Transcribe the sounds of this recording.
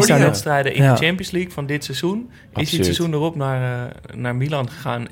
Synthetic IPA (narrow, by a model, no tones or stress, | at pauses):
ɹdʋɛtstrɛjdəʔɪ̰nndət͡ʃɛmpiənslikfɔndɪtsɛzun | ʔɪsdɪsɛzundərɔpnarnaːɹmilɑnxəxaːn